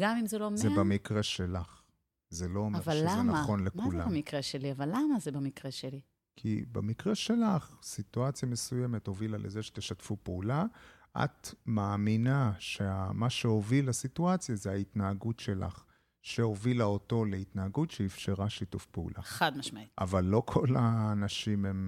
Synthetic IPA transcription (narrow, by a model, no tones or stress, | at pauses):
ɡamimzelomzebamikʁeʃelaχ | zelo̞omaevalːamnaaχo̞nlemkaulammikʁeʃeliavalːamazebamikʁeʃeli | kʰḭba̰mikʁeʃe̞laχsit̪uat͡sjame̞sujeme̞tho̞vilalʔezeʃe̥t̪eʃat̪fupeula | ʔa̰t̪maːminaʃeamaʃeo̞vilasituat͡sjazeait̪naːɡutʃe̞la̰χ | ʃeo̞vilaot̪o̞leit̪naːɡutʃeifʃeʁaʃitufpeṵlʔa̰ad̪maʃmaiʔa̰valːo̞kʰo̞laːnaʃimem